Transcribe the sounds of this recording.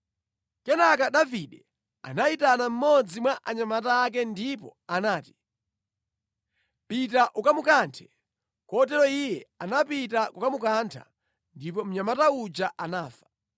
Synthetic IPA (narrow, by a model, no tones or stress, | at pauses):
kɛnakaɗaviɗɛ | a̰naitanam̩mɔd͡zimwaʔaɲamataːk̬ɛndipɔ̰anaːti̥ | pitaʔukamukantʰɛ̥ | kɔt̬ɛlɔijɛanapitakukamukantʰa̰ | ndipɔm̩ɲamataud͡ʒaʔanaːfḁ